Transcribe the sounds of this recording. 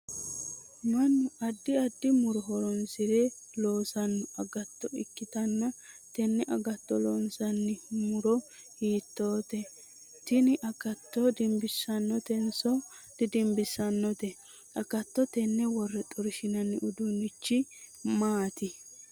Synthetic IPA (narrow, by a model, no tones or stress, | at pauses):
mɐnːʊɐd̪ːɪɐd̪ːɪmʊɾɔɦɔɾɔnsɪɾɛloːsɐnːɔɐɡɐt̪ːɔɪ̰kːɪt̪ɐnːɐt̪ɛnːɛʔɐɡɐt̪ːɔlɔnsɐnːɪmʊɾɔ | hiːt̪ːo̞ːt̪ɛ | t̪ɪnɪʔɐkɐt̪ːɔd̪ɪmbɪsːɐnːɔt̪ɛnsɔt̪ɪd̪ɪmbɪsɐnːɔt̪ɛ | ʔɐkɐt̪ːɔt̪ɛnːɛwɔrːɛt̪ʼɔɾɪʃɪnɐnːɪʔʊd̪ʊnɪt͡ʃːɪmaːt̪ɪ